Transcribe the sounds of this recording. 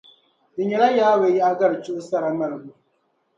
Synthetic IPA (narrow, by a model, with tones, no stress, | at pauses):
dɪ˨ɲɛ˨la˦jaː˦we˨˦ji˦a˦ɡɐ˦ɾt͡ʃʊ˦ʔʊ˦sa˦ɾa˨mɐ˨ɾbu˨